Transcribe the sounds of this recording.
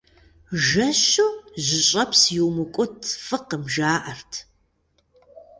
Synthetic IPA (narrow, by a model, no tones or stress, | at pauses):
ʒɐɕuʑɪɕʼɐpsjɪwmɨkʷʼʊtʰfɨqəmʒaːʔɐrtʰ